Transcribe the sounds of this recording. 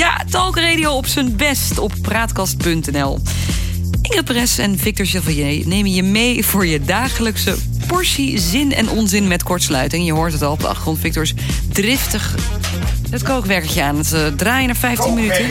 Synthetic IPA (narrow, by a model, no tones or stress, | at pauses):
ja̰tɛlˠkərejdiowɔpsənbɛstɔpːraːtkɑst̚pɵntɛnɛlˠ | ɪŋəprɛsɛnvɪk̚tɔɹsjəvɔjəjnejməjəmejv̥ʊːɹjədaːχələksə | pɔɹsizɪnɛ̰nʔɔnzɪnmɛtkɔɹtslœ̰ɥtɪŋjəɦʊːɹtɦətɑlˠɔb̚də̰ɑ̰χtrɔntfɪk̚tɔɹs | drɪftəχ | dətkokʋɛɹkələkjəaːnətdraːjənafɛjftinmənytə